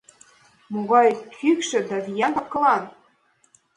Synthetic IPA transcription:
moɣɑjkʰykʃɘ̆d̪æβijænt̪ɑkɤ̆lɑn

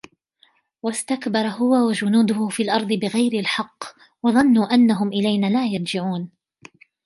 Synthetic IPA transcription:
wast̪akbɑɾˤɑɦʊwawad͡ʒʊnuːd̪ʊhʊfiːlʔɑɾˤd̪ˤɨbɪɣajɾɪlħɑqː | wɑðˤɑnːuːʔanːaɦʊmʔɪlajnaːlaːjɑɾˤd͡ʒɪʕuːn

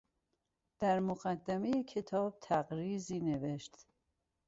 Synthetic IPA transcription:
d̪̥æɾmoɣæd̪ːæme̞jecʰe̞t̪ʰɒːb̥̚t̪ʰæɣɾiːziːne̞veʃt̪

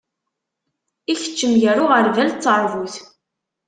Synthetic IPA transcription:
içə̥t͡ʃːəmjəɾʊʁəɾvælt͡s̪ːəɾˤvuθ

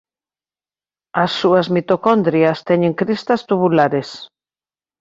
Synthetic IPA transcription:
ɐsːuɐzmit̪okɔnd̪ɾiast̪ɛɲeŋkɾist̪ɐst̪uβulaɾes

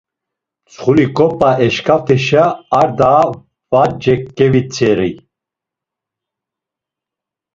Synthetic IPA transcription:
t͡sʰχulikʼɔpʼaɛʃkʰaft̪ʰɛʃaːɾd̪a | vad͡ʒɛkːɛvit͡sʰɛɾi

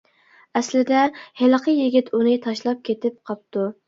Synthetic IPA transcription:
ɛslɪd̪ɛhelˠəqʰəjɪɡʲit̪ʰunɨt̪ʰɑʃlˠɑp̚kʲʰet̪ɪp̚qʰɑp̚t̪u

